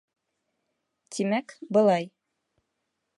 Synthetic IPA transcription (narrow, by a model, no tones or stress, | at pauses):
t̪ʰimækbɤ̆lˠɑj